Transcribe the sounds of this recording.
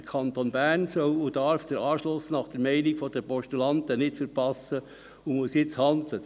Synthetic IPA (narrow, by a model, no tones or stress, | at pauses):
kʰɑnt̪onbæɾnsœwʊd̥ɑɾfd̥əɾɑːʃlʊsnɑχd̥əɾmɛɪnɪɡfɔd̥əpɔʃtylɑnt̪ənɪtfəɾpʰɑsə | ʊmusjɪt͡shɑnd̪lə